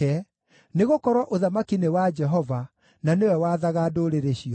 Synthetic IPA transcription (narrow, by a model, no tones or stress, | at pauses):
ɛ | neɣokɔɾwɔʔoðamakinewad͡ʒɛɦɔva | nanewɛwaːðaɣadoɾeɾeɕiɔ